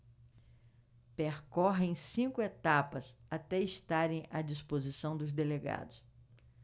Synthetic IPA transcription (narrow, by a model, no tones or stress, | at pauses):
peɾkɔɦẽj̃sĩŋkʊet̪apɐsat̪ɛist̪aɾẽj̃ɐd͡ʒispozisɐ̃w̃d̪ʊzd̪eleɡa̰d̪ʊs